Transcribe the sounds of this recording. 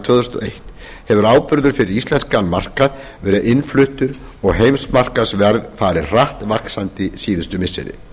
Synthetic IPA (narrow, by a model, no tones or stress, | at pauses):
t̪ʰvœːðθʏ̥st̪ɔ̰ejht̪ | hɛvʏɾaːwpʏɾðʏɾ̥fɪɾɪɾist̪lɛnskanmar̥kað | vɛːɾðʔɪnflʏht̪ʏɾ | ɔɣɦejmsmar̥kasvɛɾvfaːɾɪɾraht̪vaksant̪ɪsiːðʏst̪ʏmɪsːɪ̰ɾɪ̰